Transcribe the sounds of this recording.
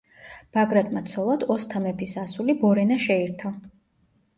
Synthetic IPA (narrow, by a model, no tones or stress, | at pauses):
b̥aɡɾat̪ʼmat̪sʰɔlˠad̪̥ɔst̪ʰamɛpʰisasulibɔɾɛnaʃɛiɾt̪ʰɔ